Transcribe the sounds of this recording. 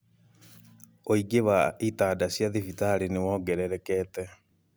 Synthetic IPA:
oiɡeβaitaːdasjaðifitaɾinewɔɡɛɾɛɾɛkɛtɛ

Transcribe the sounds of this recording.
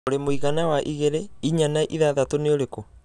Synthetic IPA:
oɾemoiɣanawaʔiɣeɾeiɲanaʔiðaðatoneoɾeko

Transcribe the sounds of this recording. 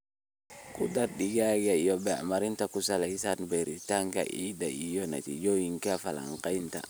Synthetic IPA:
kudaɾdiɡaɡaijɔbɛa̰maɾintakusalaisanbɛɾitaŋka̰ʔidaijɔna̰tḭd͡ʒojiŋkafala̰ŋkainta̰

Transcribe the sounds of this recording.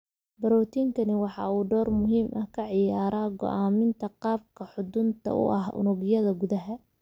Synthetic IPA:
bɐɾɔːt̪ʰiːŋkʰɐnɪwɑħɑ̰uːɖɔːrmʊɦiːmʔɐhkʰɐʕɪjaːɾaːɡɔ̰ʔaːmɪnt̪ʰɐqɑːb̚kʰɐħʊd̪ʊnt̪ʰɐ̰ʊ̰ʔɐɦʔʊ̰nʊɣjɐðɐɡʊðɐɦɐ

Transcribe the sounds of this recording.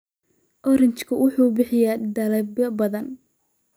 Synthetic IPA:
ʔɔɾɪnt͡ʃkʰɐwʊħuːbɪħɪjad̪ɐlɐbɐbɐðɐn

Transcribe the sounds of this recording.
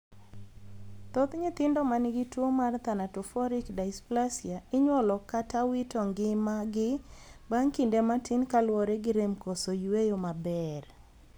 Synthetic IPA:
t̪ɔt̪ɲɪt̪ɪndɔmanɪɡɪtwomart̪anatɔfɔɾɪkdaɪsplasjaɪɲwɔlɔkatawitɔŋɡɪmaɡɪbaŋkindematʰɪnkalwɔɾɛɡɪɾemkosojwejomabɛr

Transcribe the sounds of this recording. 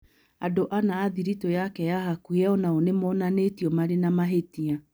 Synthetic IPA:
adoʔanaːðiɾitojakɛjaɦakuɛɔnaonemɔːnanetiɔmaɾenamaɦetia

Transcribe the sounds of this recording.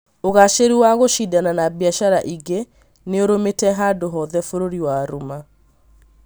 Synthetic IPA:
oɣaʃeɾiwaɣoʃidananabiaʃaɾaʔiɡe | neoɾometɛɦaːdoɦɔðɛfoɾoɾiwaːɾuma

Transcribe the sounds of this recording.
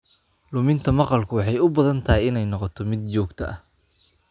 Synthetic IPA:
lʊmɪnt̪ʰɐmɑqɑlkʰʊwɑħɑjʊbɐðɐnt̪ʰɐɪjɪnɛjnɔqɔt̪ʰɔmɪd̪̚t͡ʃɔːɡt̪ʰɐʔɐh

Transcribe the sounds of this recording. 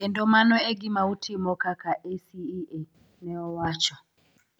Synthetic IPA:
ɛndɔmanɔɛɡimautʰimɔkakaʔɛsiɛ | nɛɔwat͡ʃɔ

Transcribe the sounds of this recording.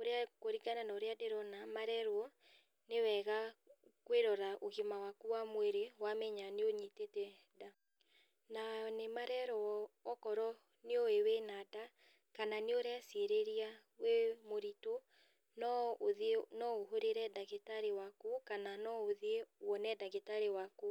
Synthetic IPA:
oɾeakoɾiɡananaoɾeadeɾɔnamaɾɛɾwɔ | newɛɣakweɾɔɾaʔoɣimawakuwamwɛɾewamɛɲaneoɲitetɛ | da | nanemaɾɛɾɔːkɔɾɔ | neoewenada | kananeoɾeaseɾeɾia | wemoɾito | nɔoðnɔoɦoɾeɾɛdaɣetaɾewakukananɔoðwɔnɛdaɣetaɾewaku

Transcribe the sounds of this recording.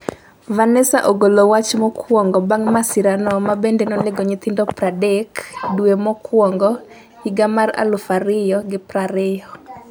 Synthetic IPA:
vanɛsa̰ʔoɡolowat͡ʃmɔkʰwɔŋɡɔbaŋmasɪɾanɔmabendenɔlɪɡɔɲɪt̪ɪndɔpɾadɛkdwemɔkwɔŋɡɔ | iɡamara̰lʊfaɾɪjɔɡɪpɾaɾɪjɔ

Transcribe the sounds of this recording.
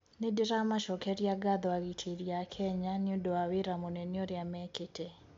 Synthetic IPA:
nɪdɪɾamaʃɔkɛɾjaɡad̪ɔaɣitʰiɾjakʰɛɲanɪudɔwawiɾamonɛnjoɾjamɛkɪtʰɛ

